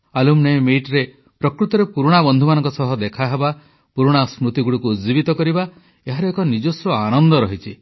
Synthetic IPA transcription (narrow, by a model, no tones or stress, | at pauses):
alumnemeʈɾe | pɾɔkɾut̪ɔɾepuɾuɽ̃abɔnd̪ʱumanɔŋkɔsɔɦɔd̪ekʰaɦeba | puɾuɽ̃asmɾut̪iɡuɽikuːd͡ʒibit̪ɔkɔɾiba | eɦaɾɔekɔnid͡ʒɔsɾɔanɔnd̪ɔɾɔɦit͡ʃʰi